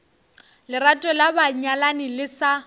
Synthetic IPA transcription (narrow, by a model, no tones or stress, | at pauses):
lɪratʼɔlabaɲalanɪlɪsa